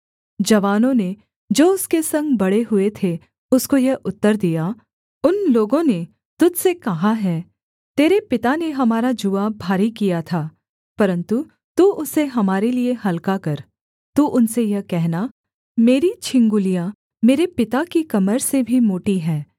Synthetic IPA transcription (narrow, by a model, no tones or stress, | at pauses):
d͡ʒɐʋaːnõne | d͡ʒoːʊskesɐ̃ŋɡbɐɽeɦʊet̪ʰe | ʊskojɐʔʊt̪ːəɾd̪ija | ʊnloːɡõne | t̪ʊd͡ʒsekɐɦaɦɛː | t̪eːɾepɪt̪aneɦɐmaːɾad͡ʒuʋabʱaːɾikijat̪ʰaː | pɐɾə̃nt̪u | t̪uːʔʊseɦɐmaːɾelieɦɐlkakɐɾ | t̪uːʔʊnsejɐkɛɦna | meːɾit͡ʃʰɪ̃ŋɡʊlija | meːɾepɪt̪akikɐməɾsebʱimoːʈiɦɛ̃ː